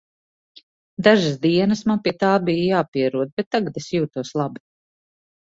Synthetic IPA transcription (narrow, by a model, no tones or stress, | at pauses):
d̪aʒəsd̪iɛnəsmanpiɛt̪aːbijjaːpiɛɾuɔd̪̚bet̪ːaɡad̪esjuːt̪uɔslˠabi̥